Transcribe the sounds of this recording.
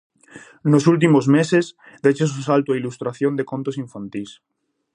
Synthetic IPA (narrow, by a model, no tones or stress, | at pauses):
nosult̪̬imozmeses | d̪et͡ʃes̬osalt̪oailust̪ɾaθjond̪ekont̪osiɱfant̪is